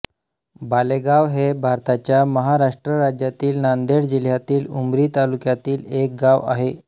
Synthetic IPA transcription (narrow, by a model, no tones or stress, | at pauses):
baleɡaʋɦebʱaɾt̪at͡ɕjaməɦaɾaʂʈɾəɾad͡ʑjat̪iːlnand̪eɽd͡ʑil̤jat̪iːlumɾiːt̪alukjat̪iːlek̚ɡaʋa̰ɦe